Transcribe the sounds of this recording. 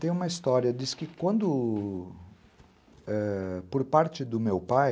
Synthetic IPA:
t̪ẽj̃ũmɐist̪ɔɾiɐd̪iskɪkwɐ̃nd̪ʊ | ɛpoɾpaɾt͡ʃɪd̪ʊmewpaj

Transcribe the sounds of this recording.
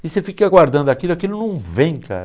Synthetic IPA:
isefikaɡwaɾd̪ɐ̃nd̪ʊakilʊakilʊnɐ̃w̃vẽj̃ka̰ɾ

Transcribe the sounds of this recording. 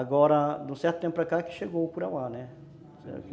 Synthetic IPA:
aɡɔɾɐd̪ũsɛɾt̪ʊt̪ẽpʊpɾɐkakɪ̥ʃeɡokuɾawanɛ | sɛ̰

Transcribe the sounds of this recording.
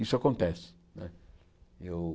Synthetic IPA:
isʊakõnt̪ɛsɪ̥ | nɛ | ew

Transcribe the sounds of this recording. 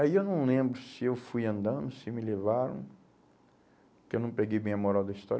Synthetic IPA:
aiewnɐ̃w̃lẽmbɾʊsɪewfujɐ̃nd̪ɐ̃nd̪ʊsɪmɪlevaɾɐ̰̃w̃ | kɪewnɐ̃w̃peɡejbẽj̃ɐmoɾawd̪ɐist̪ɔɾ

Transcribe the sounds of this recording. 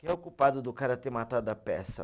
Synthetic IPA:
kɪɛokupad̪ʊd̪ʊkaɾɐt̪eɾmat̪ad̪ʊɐpɛ̰sɐ̰

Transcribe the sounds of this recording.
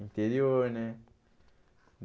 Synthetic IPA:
int̪eɾione

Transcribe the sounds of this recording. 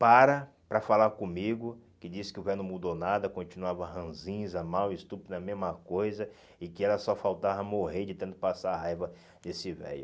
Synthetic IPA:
paɾɐ | pɾɐfalaɾkõmiɡʊ | kɪd͡ʒisɪ̥kɪʊvɛjnɐ̃mud̪onad̪ɐkõnt͡ʃinuavɐɦɐ̃zĩzɐmawɪst̪upid̪ɐmezmɐkojzɐ | ɪkɪɛlɐsɔfawt̪avɐmoɦeɾd͡ʒɪt̪ẽnt̪ʊpasaɾɐɦajvɐ | d̪esɪvɛ̰jʊ

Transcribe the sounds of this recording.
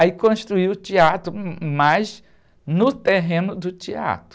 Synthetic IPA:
ikõʃt̪ɾuiwʊt͡ʃiat̪ɾʊmajz | nʊt̪eɦẽnʊd̪ʊt͡ʃia̰t̪ɾ

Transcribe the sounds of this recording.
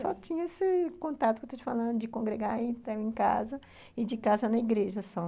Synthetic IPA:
sɔt͡ʃĩɲɐesɪkõnt̪at̪ʊkewt̪ẽt͡ʃɪfalɐ̃nd̪ʊd͡ʒɪkõŋɡɾeɡaĩt̪aẽka̰zɐ | ɪd͡ʒɪkazɐnɐiɡɾeʒɐsɔ

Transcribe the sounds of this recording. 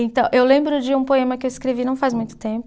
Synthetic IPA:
ẽt̪ɐ̃w̃ʔewlẽmbɾʊd͡ʒɪũpoẽmɐkɪewɪskɾevinɐ̃w̃fazmũj̃t̪ʊt̪ẽpʊ

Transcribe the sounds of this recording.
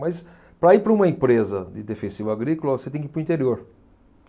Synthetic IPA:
mɐjs | pɾɐipɾɐũmɐẽpɾezɐd̪ɪd̪efẽsivaɡɾikolɐvoset̪ẽj̃kɪpɾʊ̃ĩnt̪eɾioɾ

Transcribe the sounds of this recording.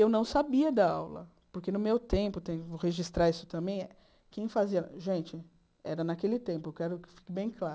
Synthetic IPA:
ewnɐ̃w̃sabiɐd̪ɐawlɐ̰ | poɾkenʊmewt̪ẽmpʊt̪ẽjʊvoheʒist̪ɾaisʊ̥t̪ɐ̃mbẽj̃ɛ | kẽj̃faziɐʒẽnt͡ʃɪ | ɛ̰ɾɐnakelɪt̪ẽmpʊewkɛɾʊkɪ̥fi̥kɪbẽj̃kla

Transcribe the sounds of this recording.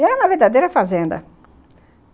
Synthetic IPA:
ɛɾɐũmɐveɾd̪ad̪ejɾɐfazẽnd̪ɐ̰

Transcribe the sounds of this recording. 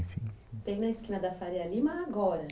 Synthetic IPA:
t̪ɛ̃ɡnɐiskĩnɐd̪ɐfaɾealimɐːɡɔɾɐ

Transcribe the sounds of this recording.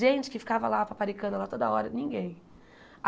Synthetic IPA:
ʒẽnt͡ʃɪ̥kɪfi̥kavɐlapapaɾikɐ̃nd̪ʊlat̪od̪ɐaɔɾɐnĩŋɡẽj̃ | a

